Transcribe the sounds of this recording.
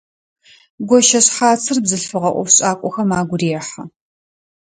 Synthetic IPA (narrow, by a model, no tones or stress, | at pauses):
ɡʷɔʃɐɕħaːt͡sʰɨrbzɨɬfɨʁɐʔʷɔ̰fɕʼaːkʷʼɔxɐmaːɡʷʊreːħa